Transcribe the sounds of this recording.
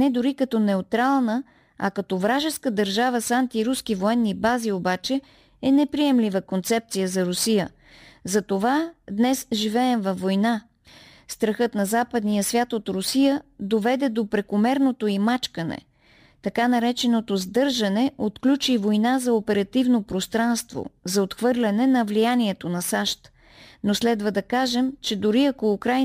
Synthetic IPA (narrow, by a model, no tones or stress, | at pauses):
nɛd̪ʊɾikɐt̪ɔnɛot̪ɾalˠnə | ɐ̰kɐt̪ɔvɾaʒɛskəd̪ɐɾʒavəsant̪iɾuskivoɛnːibaziobat͡ʃɛ | ɛnɛpɾiɛmlʲivəkont̪sɛp̚t̪sijəzɐɾʊsijə̰ | zɐt̪ovad̪nɛsʒivɛːmvɐfːojna | st̪ɾɐxɤt̪nɐzapəd̪nijəsvʲjat̪ot̪ɾʊsijəd̪ovɛd̪ɛd̪opɾɛkomɛɾnot̪oimat͡ʃkənɛ̰ | t̪ɐkanɐɾɛt͡ʃɛnot̪ozd̪ɤɾʒɐnɛʔot̪klʲut͡ʃivojnazɐopɛɾɐt̪ivnopɾost̪ɾanst̪vo̰zɐot̪xvɤɾlʲɐnɛnɐvlijaniɛt̪onɐsaʃt̪ | noslɛd̪vəd̪ɐkaʒɛmt͡ʃɛd̪ʊɾiɐkoːkɾaj